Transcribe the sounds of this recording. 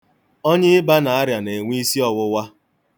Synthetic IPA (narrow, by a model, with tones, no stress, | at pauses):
ɔ˦ɲɪ˦ɪ˦ba˦na˨a˦ɾja˨ne˨ŋʷi˦si˦ɔ˨wʊ˦wa˦